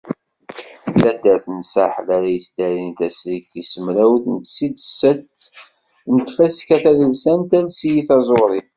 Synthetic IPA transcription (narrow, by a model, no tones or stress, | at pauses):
fæd̪æθnsa̰ħlæɾajəsd̪æɾint̪æsɾikːisəmɾæwθnət̪sid̪sːət̪ | nt̪fæskæθæðəlsænt̪ælsijiθɑzˤoɾˤin